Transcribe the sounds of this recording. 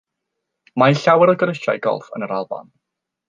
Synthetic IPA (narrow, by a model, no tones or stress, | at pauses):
maɪɬawɛɾɔɡəɾəʃa̰jɡɔ̰lˠfə̰nəɾalˠba̰n